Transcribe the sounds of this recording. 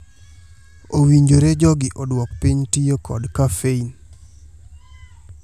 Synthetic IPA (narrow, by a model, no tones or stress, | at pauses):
owiɲd͡ʒoɾed͡ʒɔɡɪʔɔdwɔkpiɲtijokɔ̰dkafein